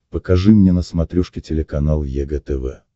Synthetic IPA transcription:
pəkɐʐɨmnʲenəsmɐt̪ɾʲuʂkʲɪtʲɪlʲɪkɐnalˠjɛɡət̪ɛvɛ̰

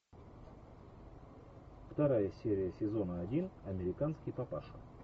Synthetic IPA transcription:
ft̪ɐɾajəsʲeɾʲɪjəsʲɪzo̞nəɐdʲinɐmʲɪɾʲɪkanskʲɪjpɐpaʂə

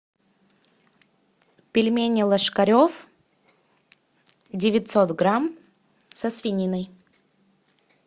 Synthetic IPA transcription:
pʲɪlʲmʲenʲɪlˠəʂkɐɾʲof | dʲɪvʲɪt̪ʲsot̪ɡɾam | səsvʲɪnʲinəj

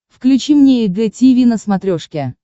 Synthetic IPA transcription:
fklʲʉt͡ɕimnʲeɪɡɛtʲivʲinəsmɐt̪ɾʲoʂkʲɪ

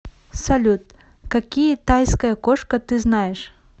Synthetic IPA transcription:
sɐlʲut̪̚ | kakʲijɐt̪ajskɐjɐkɔʂkɐt̪ɨznajɛʂ

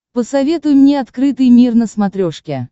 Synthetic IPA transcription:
pəsɐvʲet̪ʊjʊmnʲeɐt̪kɾɨt̪ɨjmʲirnəsmat̪ɾʲɔʂkʲɛ

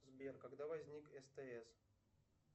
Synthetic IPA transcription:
zbʲerkɐɡd̪avɐzʲnʲikɛst̪ɛɛs

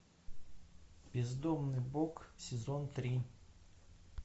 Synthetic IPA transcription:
b̥ʲɪzd̪omnɨjboksʲɪzont̪ɾʲi

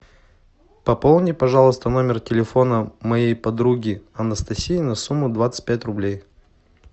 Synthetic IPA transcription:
pɐpolˠnʲɪpɐʐalˠəst̪əno̞mʲɪrtʲɪlʲɪfo̞nəmɐjejpɐd̪ɾuɡʲɪɐnəst̪ɐsʲijːnɐsumːʊd̪vat̪sɨ̥t̚ʲpʲætʲrʊblʲej

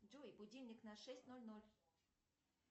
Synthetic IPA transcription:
ʐujbʊdʲilʲnʲɪknɐʂɛsʲtʲnolʲnolʲ

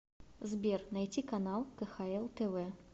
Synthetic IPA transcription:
zbʲɛrnajt͡sʲikanalˠkɐxaɛlˠt̪ɛvɛ

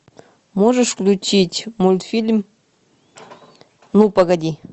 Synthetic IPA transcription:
moʐɨʂfklʲut͡ɕitʲmulʲt̪fʲilʲm | nupɐɡɐdʲi

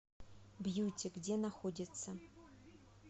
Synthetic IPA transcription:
bjutʲʰeɡdʲenaxodʲɪt͡sʰːɐ

